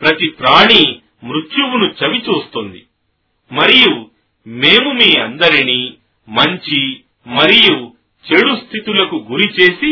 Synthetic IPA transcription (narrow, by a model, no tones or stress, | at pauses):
pɾɐt̪ipɾaːɳi | mɾut͡ʃuwunut͡ʃɐʋit͡ʃuːst̪und̪i | mɐɾiju | me̞ːmumiːɐnd̪ɐɾiniː | mɐɲt͡ʃi | mɐɾiju | t͡ʃeɽust̪ʰit̪ulɐkuɡuɾit͡ʃe̞ːsi